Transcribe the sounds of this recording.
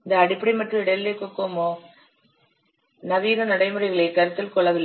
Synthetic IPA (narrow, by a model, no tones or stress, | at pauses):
ɪnd̪ɐɐɽɪpːɐɽimɐʈrɯɪɽɐlːekːokːoːmoː | nɐʋiːɾɐnɐɽɐɪmɯrɐɪɣɐɭekɐɾɯt̪ːɪlkɔɭːɐʋɪlːɐ